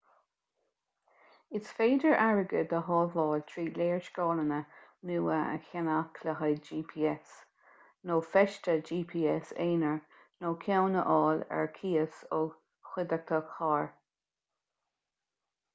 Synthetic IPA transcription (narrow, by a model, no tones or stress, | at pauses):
ɪsfeːdəɹʔaɹəɡəd̪əɦɑːvɑːlt̪ʰɹiːleːɹʃkɑːlənənuːəə̰çanakʰləɦəd͡ʒiːpʰiːɛs | noːfɛʃtəd͡ʒiːpʰiːɛseːnəɹ | noːkʰawnəʔɑːlɛ̰ɹkʰiːəsoː | xwɪd̪ək̚t̪ʰəkhɑːɹ